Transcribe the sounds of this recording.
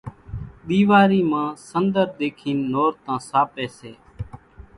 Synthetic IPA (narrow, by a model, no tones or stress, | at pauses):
ɗ̪iːʋaːɾiːmãːsənd̪əɾɗ̪eːkʰiːnːoːɾt̪ãːsaːpɛːseː